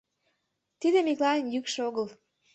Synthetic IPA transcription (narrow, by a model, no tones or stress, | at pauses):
t̪id̪emiklɑnjykʃeoɣəl